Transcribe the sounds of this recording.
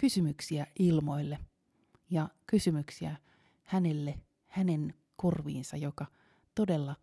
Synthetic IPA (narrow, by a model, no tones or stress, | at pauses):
kysymyksiæʔilmo̞ilːe | jɑkysymyksiæ | hænelːe | hæne̞n | kurʋḭːnsɑjokɑ | t̪odelːɑ